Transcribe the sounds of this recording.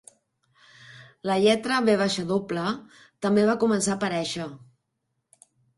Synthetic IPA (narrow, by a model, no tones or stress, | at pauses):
ləʎɛt̪ɾəβeβ̞aʃəðoplə | t̪əmbeβ̞akumənsaːpəɾɛʃə